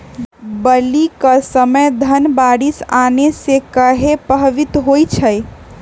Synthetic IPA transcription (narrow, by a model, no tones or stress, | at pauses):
bəlikəsəməjd̪ʱənbaɽisanesekəɦepəɦʋit̪ɦojt͡ʃʰəj